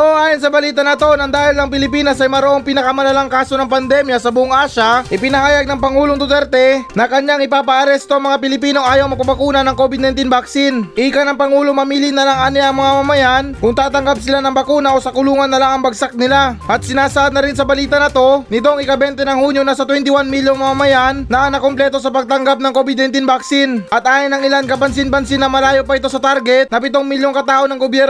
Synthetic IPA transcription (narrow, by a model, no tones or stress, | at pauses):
ʔooʔaːjonsɐbɐliːt̪ɐnɐt̪o̞nɐŋd̪aːhɪlnɐŋpɪlɪpiːnɐsɐjmɐɾoʔoŋpinɐkɐmɐlɐlaŋkaːso̞nɐŋpɐnd̪ɛmjɐsɐbʊʔoŋʔaːʃaʔɪpɪnɐhaːjɐɡ̚nɐŋpɐŋuːloŋt̪ʊt̪ɛɾt̪ɛnɐkɐɲaŋɪpaːpɐʔɐɾɛst̪oʔɐŋmɐŋapɪlɪpiːno̞ʔaːjowmɐɡ̚pɐbɐkuːnɐnɐŋko̞bɪd̪̚nɐjnt̪inbak̚sinʔikɐnɐŋpɐŋuːloŋmɐmiːlɪnɐlaŋʔaːnɪɐŋmɐŋamɐmɐjankʊŋt̪aːt̪ɐŋɡap̚sɪlanɐŋbɐkuːnɐʔo̞sɐkʊluːŋɐnːɐlaŋɐŋbɐɡsak̚nɪlaʔɐt̪̚sɪnaːsɐʔad̪nɐɾɪnsɐbɐliːt̪ɐnɐt̪o̞nɪt̪oŋɪkɐbɛnt̪ɛnɐŋhuːɲjonɐsɐt̪wɛnt̪ɪwanmiljoŋmɐmɐmɐjanːɐʔɐnɐkomplɛt̪o̞sɐpɐɡ̚t̪ɐŋɡap̚nɐŋko̞bɪd̪̚najnt̪inbaksɪnʔɐt̪̚ʔaːjɪnɐŋɪlankɐpɐnsɪnbɐnsɪnɐmɐlaːjo̞pɐɪt̪o̞sɐt̪aɾɡɛt̪̚nɐpɪt̪oŋmiljo̞ŋkɐt̪aːʔo̞nɐŋɡobjɛɾ